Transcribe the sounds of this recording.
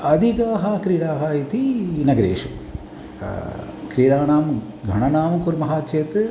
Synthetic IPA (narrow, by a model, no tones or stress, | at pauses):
ɐd̪ʱikaːɦaːkɾiːɽaːɦait̪inɐɡɐɾḛːʂu | kɾiːɽaːnaːm | ɡʱɐɳɐnaːmkuɾmɐɦaːtt͡ʃeːt̪ɨ